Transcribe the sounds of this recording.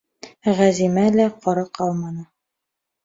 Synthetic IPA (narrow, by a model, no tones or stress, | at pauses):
ʁæzimælæqɒɾɑqɑlˠmɑnɤ